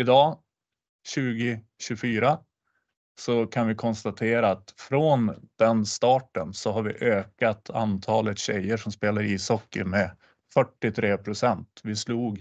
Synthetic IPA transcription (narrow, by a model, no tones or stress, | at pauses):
ɪd̪ɑː | ɕʉ̟ːɡɪ | ɕɵfyːɾa | sɔkʰanvɪkʰɔnst̪at̪ʰeːɾaːt̪fɾond̪̥ɛnst̪ɑːʈənsɔɦaɾvɪ̰ʔøːkat̪ʰa̰nt̪ʰɑːlət̪ɕɛ̰jːəʂɔmspeːlaɾiːsɔkːə̰ɾmɛ | fœʈːɪt̪ʰɾeːpʰɾʊsɛnt̪vɪsluːɡ